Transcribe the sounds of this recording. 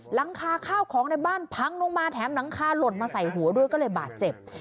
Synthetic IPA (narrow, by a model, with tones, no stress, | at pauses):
la˨˦ŋkʰaː˧kʰaː˥˩wkʰɔː˩˦ŋna˧jbaː˥˩npʰa˧ŋlo˧ŋmaː˧t̪ʰɛː˩˦mna˩˦ŋkʰaː˧lo˨˩t̪̚maː˧sa˨˩jɦu˩˦ɐdoː˧jkɔː˥˩lɤː˧jbaː˨˩t̪̚t͡ɕe˨˩p̚